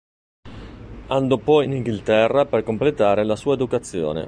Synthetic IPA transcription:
and̪ɔpɔjiniŋɡilt̪ɛrːaperkomplet̪aːɾelasuːaed̪ukat̪sːjo̰ːnḛ

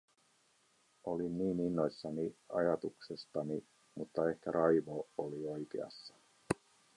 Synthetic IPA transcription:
o̞linniːninːo̞jsːɑniɑ̰jɑt̪uksest̪ɑni | mut̪ːɑe̞hkæɾʔɑjʋooliojkḛɑ̰sːɑ̥

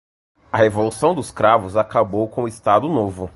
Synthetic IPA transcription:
ɐhevolusɐ̃w̃d̪ʊɪskɾavʊzakabowkõʊɪst̪ad̪ʊnovʊ

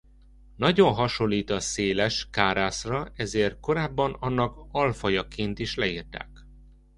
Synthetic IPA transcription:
nɒɟo̞nɦɒʃo̞lːiːt̪ɒseːlɛʃkaːɾaːsrɒɛzeːrt̪̚ko̞ɾaːbːɒnɒnːɒkɒlfɒjɒkeːnt̪iʃlɛiːrt̪a̰ːk

